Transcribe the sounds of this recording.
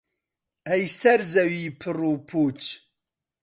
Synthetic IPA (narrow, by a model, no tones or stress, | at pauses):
ɛjsɛɾzɛwiːpʰɨruːpʰut͡ʃ